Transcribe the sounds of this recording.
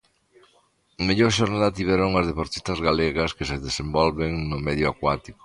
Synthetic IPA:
meʎoɾʃoɾnaðat̪iβɛɾoŋɐzðepoɾt̪i̥st̪ɐzɣaleɣɐskeseðesembɔlβeŋnʊmɛðjʊakwat̪iko̥

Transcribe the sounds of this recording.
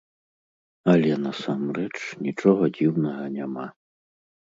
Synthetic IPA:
ɐlʲɛnɐsamɾɛt͡ʂnʲit͡ʂɔɣɐd͡zʲiwnɐɣɐnʲama

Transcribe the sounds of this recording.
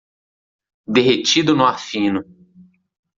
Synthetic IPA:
d̪eɦet͡ʃid̪ʊnʊafĩnʊ

